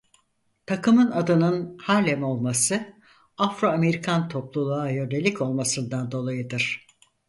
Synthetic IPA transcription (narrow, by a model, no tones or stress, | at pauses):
t̪ʰakɯmɯnad̪ɯnɯnhaːlʲɛmo̞lˠmasɯ | afɾaːme̞ɾikʰant̪ʰo̞plˠulˠajønd̪e̞lʲico̞lˠmasɯnd̪and̪o̞lˠajɯd̪ɯɾ̥